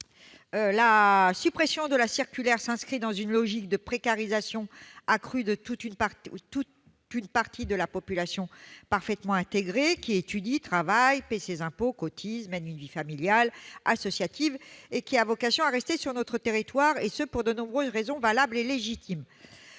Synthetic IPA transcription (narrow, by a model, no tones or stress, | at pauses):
ølasypχesjɔ̃d̪əlasiʁkʲylɛʁsɛ̃skχid̪ɑ̃zynlɔʒik̚d̪əpχekaʁizasjɔ̃akχyd̪ət̪ut̪ynpat̪ut̪ | ynpaʁt̪id̪əlapɔpylasjɔ̃paʁfɛt̪mɑ̃ɛ̃t̪eɡʁekʲiet̪yd̪it̪χavajpɛsezɛ̃pokɔt̪ʰizmɛnynvifamiljalasɔsjat̪ʰivekʲiavɔkasjɔ̃aʁɛst̪esyʁnɔt̪χət̪eʁit̪waʁesəpuʁd̪ənɔ̃bʁøzʁezɔ̃valableleʒit̪ʰim